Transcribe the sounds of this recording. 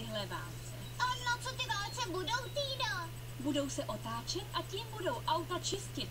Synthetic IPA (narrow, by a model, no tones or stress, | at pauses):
ɪɦlɛva̰ːlt͡sɛ | ʔanat͡sot̪ɪvaːlt͡sɛbudo̞wt̪iːdo | budo̞wsɛʔo̞t̪aːt͡ʃɛt̪ʔacimbudo̞wʔawt̪at͡ʃɪscɪt̪